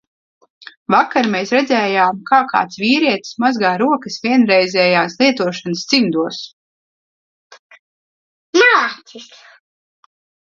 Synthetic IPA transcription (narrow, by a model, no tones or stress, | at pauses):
vakaɾmeːsɾɛd̪zʲɛːjaːmkaːka̰ːt̪sviːɾiɛt̪smazɡaːɾuɔkəsvʲiɛnɾɛjzʲɛːjaːslˠiɛt̪uɔʃanəsz̥imd̪uɔs | maːis